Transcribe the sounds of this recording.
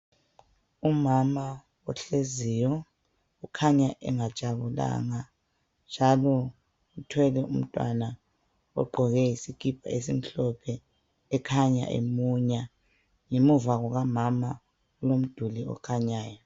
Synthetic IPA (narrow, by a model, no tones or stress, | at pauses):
umama | ɔɬezijɔ | ukʰaɲaʔɛ̰ŋat͡ʃʼaβula̰ŋa | nd͡ʒʱalɔ | utʰwɛlɛum̩tʼwa̰na | ɔ̰ɡ͡ǃʱɔɣɛjisikʼip̚ʰʼa̰esim̩ɬɔpʰɛː | kʰaɲa̰ʔḛmuɲa | ŋemuvaɣɔɣamama | ulom̩d̥ʱuliɔ̰kʰaɲaːjɔ